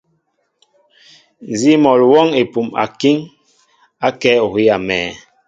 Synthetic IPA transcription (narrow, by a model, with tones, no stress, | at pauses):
n˨zi˦mɔ˨lwɔ˦ŋe˨pu˨ma̰˨ki˦ŋ | a˦kɛ˦o˨ki˦ja˨mɛ̰ː˨